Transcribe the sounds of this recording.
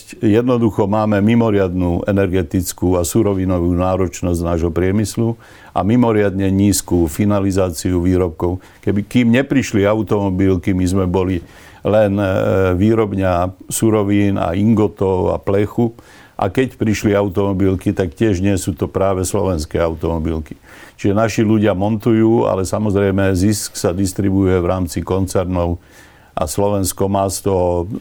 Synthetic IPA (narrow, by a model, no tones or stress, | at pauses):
jɛd̪nɔd̪uxɔmaːmɛmimɔɾɪad̪nuːʔɛnɛɾɡɛt̪it͡skuasuɾɔʋinɔʋuːnaːɾɔt͡ʃnɔzɟnaːʒɦɔpɾɪɛmislu | ʔa̰mimɔɾɪad̪ɲɛɲiːskufinalizaːt͡siuʋiːɾɔp̚kɔʊ | kɛbikiːmɲɛpɾiʃliaʊt̪ɔmɔbilkimizmɛbɔli | lɛnʋiːɾɔbɲasuɾɔʋiːna̰iŋɡɔt̪ɔʊa̰plɛxu | ʔa̰kɛcpɾiʃliaʊt̪ɔmɔbilkit̪akcɪɛʒɲɪɛsuːt̪ɔpɾaːʋɛslɔ̰ʋɛnskɛːaʊt̪ɔmɔbilki̥ | t͡ʃiʒɛnaʃiluɟɪamɔnt̪ujuːa̰lɛsamɔzɾɛjmɛzisksad̪ist̪ɾibujɛʋɾaːmt͡sikɔnt͡sɛɾnɔʊ | ʔa̰slɔʋɛnskɔmaːst̪ɔ